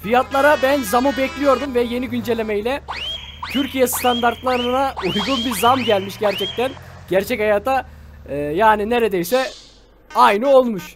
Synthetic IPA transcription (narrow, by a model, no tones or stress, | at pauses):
fijat̪lˠaɾabænzamubɛclʲijo̞ɾd̪umvɛje̞niɟynd͡ʒe̞lʲe̞mejlʲɛ | t̪ʰyɾcʰijɛst̪ʰand̪aɾt̪lˠaɾɯnaujɡunbizamɟælʲmiʃɟæɾt͡ʃʰɛc̚t̪ænɟ̥æɾt͡ʃʰɛchajaːt̪ʰa | jaːnine̞ɾe̞d̪ejsɛ | ajnɯo̞lˠmuʃ